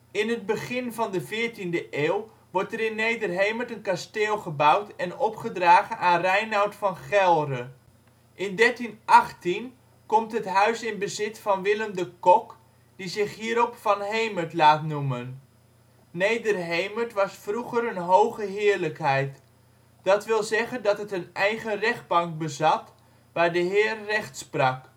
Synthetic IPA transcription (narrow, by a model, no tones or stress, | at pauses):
ɪnɦəd̚bəχɪnvɑndəvɪːɹtindəʔeːlˠ | ʋɔɹtɛɾɪnːejdərɦejmətənkasteːlˠχəbʌwtɛnɔpχədraːχənanrɛjnawtfɑnχɛlˠrə | ʔɪndɛɹtinʔɑχtin | kɔmtɦətɦœɥsɪnbəzɪtfɑnʋɪləmdəkɔk | d̥izɪχɦiːɾɔpfɑnɦejməɹtlaːtnumənː | ejdərɦejməɹtʋɑsfruχəɾənɦowχəɦɪːɹləkɦɛjt | d̥ɑtʋɪlˠzɛχəndɑtətənɛjχərɛχd̚bɑŋk̚bəzɑt | ʋaːɹdəɦɪːrːɛχtsprɑk